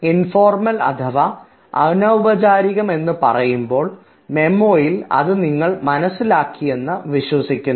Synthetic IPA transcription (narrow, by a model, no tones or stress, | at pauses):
info̞ːrmɐlɐ̰t̪ʰɐʋa | ɐ̰nɐubɐt͡ɕaːɾiɣɐme̞nːɨpɐ̰rɐjumbo̞ːɭ | me̞mːoːjilɐ̰ðɨniŋːɐɭmɐnɐsːilaːkːije̞nːɐʋiɕwɐsikʲːun